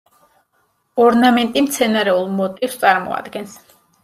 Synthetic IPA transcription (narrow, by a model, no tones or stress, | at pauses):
ɔɾnamɛnt̪ʼimt̪sʰɛnaɾɛulˠmɔt̪ʼifst̪sʼaɾmɔ̰a̰d̪ɡɛns